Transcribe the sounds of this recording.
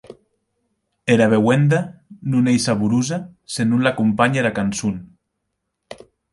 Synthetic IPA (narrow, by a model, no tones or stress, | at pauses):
eɾaβewend̪anunejsaβuɾuzasenunlakumpaɲeɾakansun